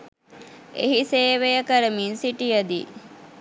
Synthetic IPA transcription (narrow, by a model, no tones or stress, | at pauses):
ḛɦiseːʋejəkəɾəminsiʈijəd̪i